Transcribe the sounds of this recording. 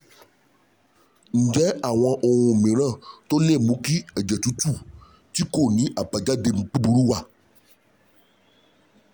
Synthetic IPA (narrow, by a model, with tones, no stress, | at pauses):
ŋ̩˨d͡ʒɛ˦a˨w̃ã˨ʔo˨w̃õ˨mẽ˨ɾ̃ã˦˨t̪o˦lẽ˦˨mũ˨˦ki˦ɛ˨d͡ʒɛ˨t̪u˦t̪u˦˨ | t̪i˦ko˦˨nĩ˨˦ʔa˨pa˨d͡ʒa˦de˨mũ˨k͡pi˦bu˨ɾu˦wa˦